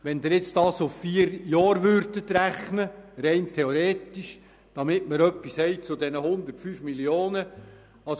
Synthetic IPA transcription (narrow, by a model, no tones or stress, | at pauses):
ʋɛnd̪ɪɾjɪt͡sd̥ɑːsʊffiːəɾjɑːɾʋøɾdət̪ɾæχnəɾɛɪntʰɛoɾeːtiʃ | d̥ɑmɪtməɾœpːishɛɪt͡sʊdɛnəhʊnd̪ərtfyːfmilioːnə | ɑs